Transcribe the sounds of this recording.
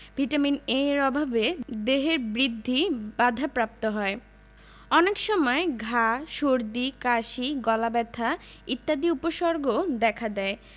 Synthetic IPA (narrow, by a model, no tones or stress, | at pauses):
b̥ʱiʈamineɾɔbʱabed̪eɦeɾbɾid̪ʱːibad̪ʱapɾap̚t̪oɦɔe | ɔnekʃɔmɔeɡʱaʃoɾd̪ikaʃiɡɔlabɛt̪ʰa | it̪ːad̪iupoʃɔɾɡod̪ɛkʰad̪ɛe